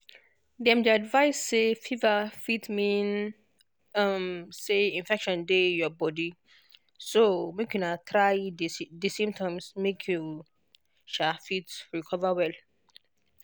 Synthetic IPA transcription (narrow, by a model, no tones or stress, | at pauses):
dɛ̃mdiadvaɪsːefivafitmĩn | mseĩnfɛkʃɔ̃ndejɔbɔdi | somekjunatʰɾajddisĩmtʰɔ̃msmekʰju | ʃafitɹikʰɔvəwɛl